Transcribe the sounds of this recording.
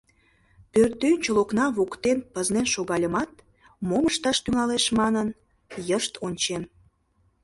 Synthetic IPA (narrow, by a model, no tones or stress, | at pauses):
pørt̪ønʲt͡ɕoloknɑβokt̪enpəznenʃoɣɑlʲəmɑt̪̚ | moməʃt̪ɑʃt̪yŋɑleʃmɑnən | jəʃt̪ʰonʲt͡ɕen